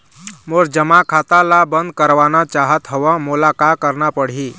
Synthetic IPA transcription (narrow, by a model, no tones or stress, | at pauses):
moɾd͡ʒəmakʰat̪alabənd̪̚kəɾʋanat͡ʃaɦət̪ɦəʋãmulakakəɾnapəɽ̤i